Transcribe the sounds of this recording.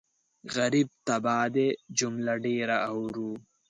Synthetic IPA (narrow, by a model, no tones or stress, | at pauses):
ɣɐɾib̚t̪ɐbaːd̪ed͡ʑumlɐɖeːɾɐɐwɾuː